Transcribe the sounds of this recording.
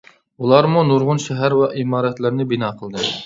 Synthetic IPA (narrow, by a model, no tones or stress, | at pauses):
ulˠɑɾmunuɾʁʊnʃɛɦæɾwæʔimɑːɾɛt̪lɪɾnɪbinɑːqʰəlˠd̪ɨ